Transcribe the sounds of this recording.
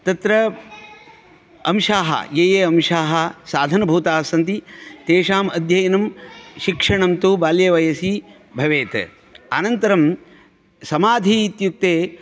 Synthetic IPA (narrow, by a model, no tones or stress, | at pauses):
t̪ɐt̪ɾɐ | ɐmʃaːɦɐ̰jeːjeːɐmʃaːɦɐ̆saːd̪ʱɐnɐbʱuːt̪aːsɐnt̪it̪eːʂaːmɐd̪ʱjɐjɐnɐmʃikʂɐɳɐmt̪uːbaːljɐʋɐjɐsi | bʱɐʋeːt̪ | aːnɐnt̪ɐɾɐm | sɐmaːd̪ʱiːt̪juk̚t̪eː